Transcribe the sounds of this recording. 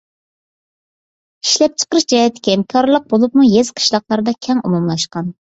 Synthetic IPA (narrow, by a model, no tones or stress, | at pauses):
iʃlɛp̚t͡ʃʰə̥qəɾɨʃd͡ʒɑjɛt̪ʰɪ̥kʲɛmkʰɑɾlˠəq̚bolˠup̚mujez̥qʰə̥ʃlˠɑqlˠɑɾd̪ɑkʲʰɛŋumumlˠɑʃqɑn